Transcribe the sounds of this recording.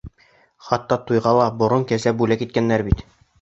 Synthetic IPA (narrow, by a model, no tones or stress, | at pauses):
χɑt̪ːɑt̪ujʁɑlˠɑbŏɾonkæzæbulækit̪̚kænːæɾbit̪